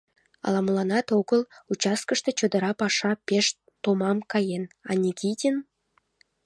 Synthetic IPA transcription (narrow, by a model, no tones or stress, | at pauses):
ɑ̰lɑmlɑnɑt̪oɣəlut͡ɕɑs̚kəʃt̪e̽t͡ɕod̪əɾɑpɑʃɑpeʃ | t̪omɑmkɑjenɑ̰nʲikʲid̪ʲən